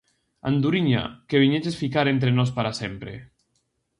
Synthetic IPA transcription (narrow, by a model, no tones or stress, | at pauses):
a̰nd̪uɾiɲa̰keβiɲed͡ʒesfikaɾent̪̬ɾenɔspaɾasempɾḛ